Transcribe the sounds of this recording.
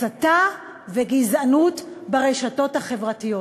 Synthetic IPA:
ata | veɡizanutbaʁeʃato̞thaχe̞vʁatijo

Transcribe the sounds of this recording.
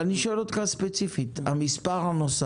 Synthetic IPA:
niʃolot̪kaspet͡sifit̪a̰mispaʁanosa

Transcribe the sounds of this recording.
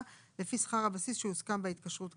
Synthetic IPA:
le̞fisχaʁhabasisʃeuskambeitkaʃʁut

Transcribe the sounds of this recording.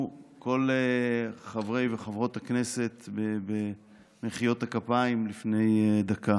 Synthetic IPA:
ko̞leχavʁejveχavʁo̞t̪hakne̞se̞t̪bebe | meχijo̞thakapaimlifne̞jd̪aka

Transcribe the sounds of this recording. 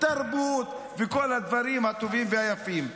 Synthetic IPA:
t̪aɾbut̪ | veko̞lhad̪vaɾimhat̪o̞vimveajafim

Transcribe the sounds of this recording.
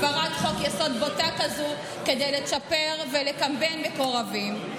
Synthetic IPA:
baʁatχokjasod̪botakazu | ke̞d̪ejlet͡sapeʁvelekambenbeko̞ʁavim

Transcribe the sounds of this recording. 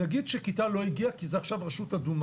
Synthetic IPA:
aɡid̪ʃekit̪alo̞iɡiakizeaχʃavʁaʃutadum

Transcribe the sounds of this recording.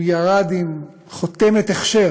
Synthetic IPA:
jaʁad̪im | χot̪emet̪eχʃe

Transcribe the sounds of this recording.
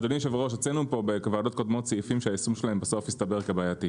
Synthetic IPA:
d̪onimʃeveʁoʃat͡senupo̞bekavaːdo̞t̚ko̞dmo̞tt͡seifimʃeaisumʃelae̞mbaso̞fjist̪abe̞ʁkebaːjati

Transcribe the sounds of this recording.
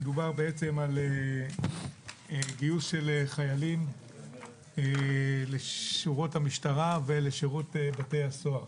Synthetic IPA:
med̪ubaʁbeet͡se̞male | ɡijusʃe̞leχajalim | eleʃuʁothamiʃtaʁaveleʃiʁutebate̞jhaso̞aʁ

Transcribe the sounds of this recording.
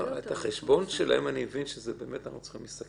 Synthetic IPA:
et̪aχeʃbo̞nʃela̰emanimevinʃezebeːmet̪anaχut͡sḁχimlist̪ak

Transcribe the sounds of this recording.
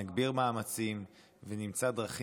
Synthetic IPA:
aɡbiʁmaːmat͡sim | venimt͡sad̪ʁaχ

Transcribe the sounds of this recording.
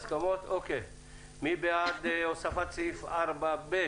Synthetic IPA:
skɐmoːt̪ʰoːke | mibeaːd̪eːjosɐfɐt͡sifɐɾbɐbeː

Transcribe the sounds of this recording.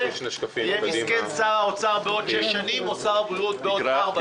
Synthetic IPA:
ʃneafijemiskensaʁaot͡saʁbeo̞dʃeʃanimot͡saʁbulut̪̚beodaʁba

